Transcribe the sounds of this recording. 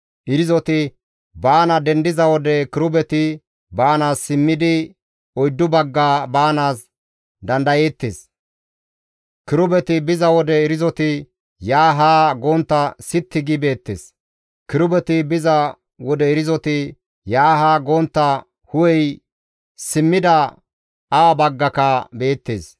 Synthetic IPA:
ʔɪɾɪzɔt̪ɪ | baːnɐd̪ɛnd̪ɪzɐwɔd̪ɛkɪɾʊbɛt̪ɪ | baːnaːsːɪmːɪd̪ɪ | ɔjd̪ːʊbɐɡːaːbaːnaːs | d̪ɐnd̪ɐjeːt̪ːḛːs | kɪɾʊbɛt̪ɪbɪzɐwɔd̪ɛɪɾɪzɔt̪ɪ | jaːɦaːɡoːnt̪ːɐsɪt̪ːɪɡɪbe̞ːt̪ːḛːs | kɪɾʊbɛt̪ɪbɪzɐ | wɔd̪ɛɛɾɪzɔt̪ɪ | jaːɦaːɡoːnt̪ːɐ | hʊwɛj | sɪmːɪd̪ɐ | abɐɡːɐkɐbe̞ːt̪ːḛːs

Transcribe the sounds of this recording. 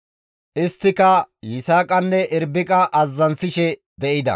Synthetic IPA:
ʔɪst̪ːɪkɐjɪsaːkʼɐnːɛʔɪɾbɪkʼɐʔɐzːɐnsɪʃɛd̪ɛʔɪd̪ɐ̰

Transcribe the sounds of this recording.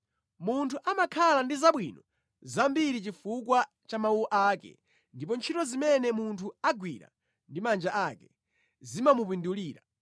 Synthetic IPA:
muntʰuʔamakʰalandizaɓwinɔ | zambiɾit͡ʃifukwa | t͡ʃamauɔʔaːkɛ̰ | ndip̬ɔnt͡ʃʰitɔzimɛnɛmuntʰuaɡwiɾa̰ | ndimand͡ʒaʔakɛ | zimamup̬induliːɾa

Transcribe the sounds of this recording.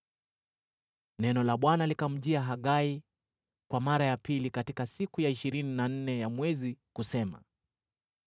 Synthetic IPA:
nɛnɔlaɓwanalikam̩ʄiaɦaɠai | kwamaɾajapilikatikasikujaiʃiɾininan̩nɛjamwɛzikusɛma̰

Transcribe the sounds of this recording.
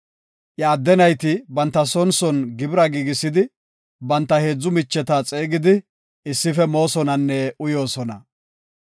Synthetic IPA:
ʔjɐːd̪ːɛnɐjt̪ɪbɐnt̪ːɐsɔnsɔnɡɪbɪɾɐɡiːɡɪsːɪd̪ɪ | bɐnt̪ːɐhe̞ːd͡zːʊmɪt͡ʃːɛt̪at͡sʼe̞ːɡɪd̪ɪ | ɪsːɪfɛmo̞ːsɔnɐnːɛʔʊjo̞ːsɔnɐ

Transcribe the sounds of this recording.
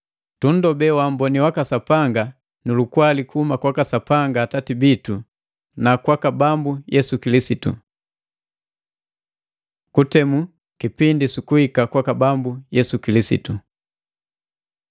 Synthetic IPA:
tun̩dɔbɛwam̩bɔniwakasapaŋɡa | nulukwalikuumakwakasapaŋɡaːtatibitu | nakwakabambujɛsukilisitṵ | kutɛmu | kipindisukuhikakwakabambujɛsukilisḭtṵ

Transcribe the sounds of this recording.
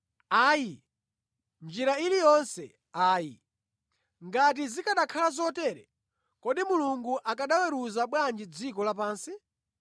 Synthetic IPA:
aːji | nd͡ʒiɾailijɔnsɛ | aːji | ŋɡat̬izikaɗakʰalazɔtɛɾɛ | kɔɗimuluŋɡuʔakaɗawɛɾuzaɓwand͡ʒid͡zikɔlap̬aːnsi

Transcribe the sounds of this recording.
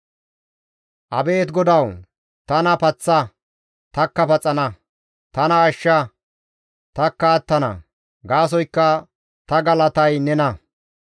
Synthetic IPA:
ʔɐ̰be̞ːt̪ɡɔd̪ɐw | t̪ɐnɐpɐt͡sːɐ | t̪ɐkːɐpɐt͡sʼːɐnɐ | t̪ɐnɐːʃːɐ | t̪ɐkːaːt̪ːɐnɐ̰ | ɡaːs̬ɔjkːɐ | t̪ɐɡɐlɐt̪ɐjnɛnɐ

